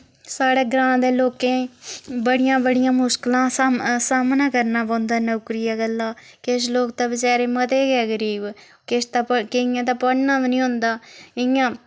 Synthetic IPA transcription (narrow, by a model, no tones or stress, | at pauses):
saːɽeːɡɾãːd̪eːloːkẽːbəɽɪjãːbəɽɪjãːmʊsklãːsaːmnãːkəɾnaːbõːnd̪aːnoːkɾɪjaːɡəlːaː | kɪʃ̬loːkt̪aːbɪt͡ʃaːɾeːmət̪eːɡɛːɡəɾiːb | kɪst̪aːkɪɪjãːt̪̬aːpəɽnãːʋnĩːʊ̃nd̪aːɪjãː